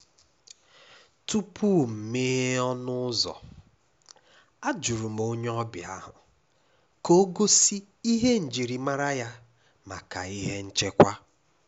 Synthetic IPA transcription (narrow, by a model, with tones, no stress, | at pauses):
tu˦pʰu˦˨m̩˨me˦ɦe˦ɔ˦nʊ˦zɔ̰˨ | a˦d͡ʒu˨ɾu˨m̩˨o˦ɲ˦ɔ˦bɪ˨a̰˦ɦʊ̰˨ | ko˦ɡo˦si˦ | i˦ɦe˦n̩˨d͡ʒi˨ɾi˨ma˦ɾa˦ja˦ | ma̰˨ka̰˨i˦ɦe˦n̩˦t͡ʃe˦kʷa˦